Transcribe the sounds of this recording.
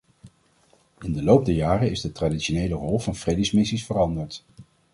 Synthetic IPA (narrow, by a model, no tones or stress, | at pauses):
ɪndəlowp̚dəjaːrəɪzdətraditʃonejlərɔlˠvɑnfrejdəsmɪsisfərɑndəɹt